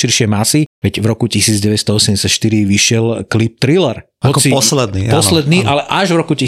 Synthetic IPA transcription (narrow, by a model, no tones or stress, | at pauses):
ʃiɾʃɪɛmasiʋɛɟvɾɔkucisiːd͡zɟɛʋɛst̪ɔɔsɛmɲɟɛsacʃt̪iɾiʋiʃɪɛlklip̚t̪ɾilɛɾ | ɦɔkt͡siɔslɛd̪nḭpɔslɛd̪niːʔalɛʔaʒvɾɔkuci